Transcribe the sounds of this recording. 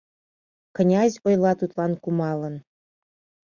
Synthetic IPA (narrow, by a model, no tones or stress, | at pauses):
knʲɑzʲojlˠɑt̪ut̪lˠɑnkumɑlə̆n